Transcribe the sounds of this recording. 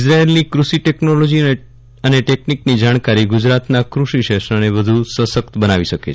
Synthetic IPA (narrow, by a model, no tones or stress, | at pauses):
sɾaelnikɾuʃiʈeknolod͡ʒi | əneʈekniknid͡ʒaɽ̃kaɾiɡud͡ʒɾat̪nakɾuʃiʃeʃɾaneʋəd̪ʱusəsək̚t̪bənaʋiʃəke